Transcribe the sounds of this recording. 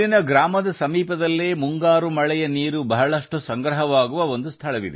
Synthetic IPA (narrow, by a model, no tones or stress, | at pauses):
inɐɡɾaːmɐd̪ɐsɐmiːpɐd̪ɐlːeːmuŋɡaːɾumɐɭɛjɐniːɾubɐɦɐɭɐʂʈusɐŋɡɾɐɦɐʋaːɡuʋɐo̞nd̪ust̪ʰɐɭɐʋḭd̪e